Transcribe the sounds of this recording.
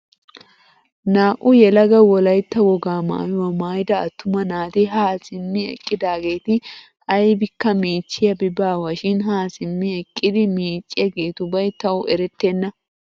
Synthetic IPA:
naːʔʼʊjɛlɐɡɐwɔlɐjt̪ːɐwɔɡaːma̰ːwɐmaːjd̪ɐːt̪ːʊmɐnaːt̪ɪɦaːsɪmːɪɛ̰kʼːɪd̪aːɡe̞ːt̪ɪ | ʔɐjbɪkːɐmiːt͡ʃːɪjɐbɪbaːwɐʃɪnɦaːsɪmːɪɛkʼːɪd̪ɪmiːt͡ʃʼːɪɐɡe̞ːt̪ʊbɐjt̪ɐwʔɛɾɛt̪ːenːɐ

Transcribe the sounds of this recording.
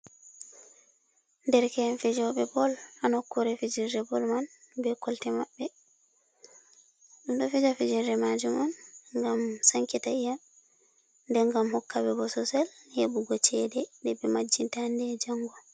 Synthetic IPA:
ndɛɾkɛnfid͡ʒɔɓɛbɔlanɔkːuɾɛfid͡ʒiɾdɛbɔlman | bɛkɔltɛmaɓːɛ | ɗumɗɔfid͡ʒafid͡ʒiɾdɛmad͡ʒumɔnŋɡamsaŋkitaija | ndɛŋɡamhɔkːabɛbɔsɔsɛlhebuɡɔt͡ʃɛdɛdɛbɛmad͡ʒːintandɛd͡ʒaŋɡɔ

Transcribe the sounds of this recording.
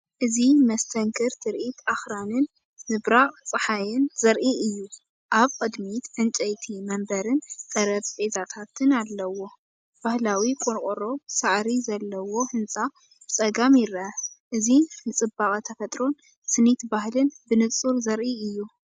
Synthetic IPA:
ʔɨzimɐst̪ʰɐŋkʰɨɾt̪ʰɨɾʔit̪ʰaxɾanɨnː | ɨβɾaχʼt͡sʼɨħajɪnzɐɾʔiɨjːu | ʔaβqʼɨd̪mit̪ʕɨnt͡ʃʼɐjt̪ʰimɐmbɐɾɨnk̪ʼɐɾɐbʔezat̪ʰat̪ʰɨnalːɐwo̞ | b̥ahlawikʼoɾkʼoɾo̞saʕɾizɐlːɐwo̞ħɨnt͡sʼa | bt͡sʼɐɡamjɪɾʔɨzinɨt͡sʼɨbaχʼɐt̪ʰɐfɐt̪ʼɾo̞n | sɨnit̪bahlɨnbɨnɨt͡sʼuɾzɐɾʔiɨjːu

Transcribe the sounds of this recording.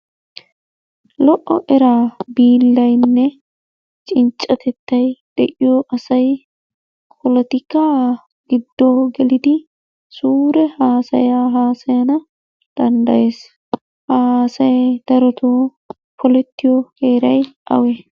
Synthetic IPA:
lɔʔɔʔɛɾaːbiːlːɐjnːɛ | t͡ʃʼɪnt͡ʃʼːɐt̪ɛt̪ːɐjd̪̥ɛʔɪjoːʔɐsɐj | kʰɔlɔt̪ɪkːaː | ɡ̥ɪd̪ːoːɡɛlɪd̪ɪ | suːɾɛhaːsɐjaːɦaːsɐjɐnɐ | d̪̥ɐnd̪ɐʔe̞ːs | haːsɐjd̪̥ɐɾɔt̪oː | pʰɔlɛt̪ːɪjɔhe̞ːɾɐjʔɐ̰wɛ

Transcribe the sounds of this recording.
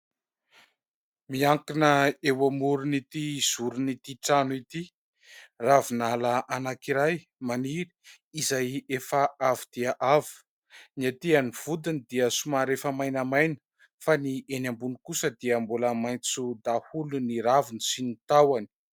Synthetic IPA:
miaŋkinəewamuɾunit̪iz̥uɾunit̪iʈ͡ʂanuit̪i | ravinalaʔanakiɾaj | maniɾi̥ː | zajefəavid̪̥iəʔavi̥ | niat̪ianiv̥ud̪inid̪iəsumaɾefəmajnəmajnə̥ | faniʔenambunikusəd̪iəmbuləmajnt͡sud̪ahuluniɾavinisinit̪awani̥

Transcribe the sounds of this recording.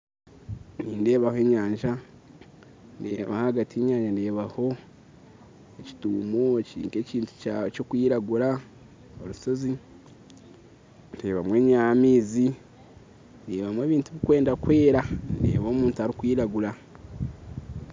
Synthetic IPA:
niːnde̞ːβahoe̞ːɲaːɲʒa | ndḛːβa̰haɡatieːɲaːɲʒande̞ːβaho̞ | eci̥tuːmoeciḭːŋke̞ciːntu̥cokwiːɾaɡuɾa | oɾuso̞zi | ndeːβamweːɲaamiːzi | ndeːβamwe̞ːβiːntuβikwe̞ːndakwe̞ːɾandḛːβo̞ːmuːntuaɾikwiːɾaɡuɾa

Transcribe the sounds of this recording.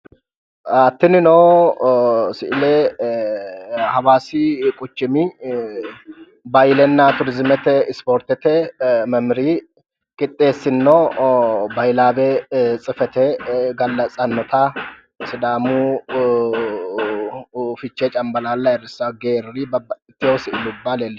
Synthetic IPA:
ɐt̪ːɪnɪnoː | sɪʔɪlɛ | hɐwaːsikʼʊt͡ʃːɪmɪ | bɐjlɛnːat̪ʊɾɪzmɛt̪ɛɪspoːɾt̪ɛt̪ɛmɐmɾiː | kʼɪt̪ʼːeːsːɪnːo | bɐjlaːbet͡sʼɪfɛt̪ɛɡɐlːɐsʼɐnːɔt̪ʰa | sɪd̪aːmu | fɪt͡ʃːet͡ʃʼɐmbɐlaːlːaɛɾɪsɐwɡeːɾɾibɪt̪ːɪhowsɪʔɪlubːalelː

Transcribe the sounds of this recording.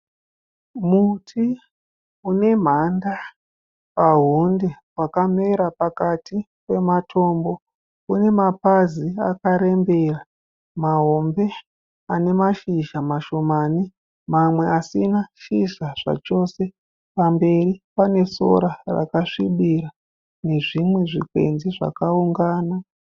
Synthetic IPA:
mutʰi | une̞m̤anda | paɦunde̞ | wakame̞ɾapakati | pe̞matʰo̞ːmbo̞ | une̞mapazia̰kaɾe̞mbe̞ra | maɦombe̞ | ane̞maʃiʒamaʃo̞maːni | mamwe̞asinaʃiʒaʐ̥a̰t͡ʃo̞se̞ | pambe̞ripane̞so̞̰ɾara̰kaʂiɓira | ne̞ʐimwe̞ʐḭkwe̞̰nziʐa̰kauŋɡaːna

